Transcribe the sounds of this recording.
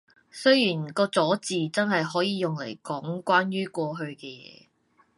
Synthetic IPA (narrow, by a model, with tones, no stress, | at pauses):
sɵ˥ɥjiː˨˩nkɔː˧t͡sɔː˨˥t͡siː˨t͡sɐ˥nɦɐ˨jɦɔː˨˥jiː˨˧jʊ˨ŋle˨˩jkɔː˨˥ŋkʷwaː˥njyː˥kʷɔː˧ɦɵ˧ɥkɛː˧jɛ̰ː˨˦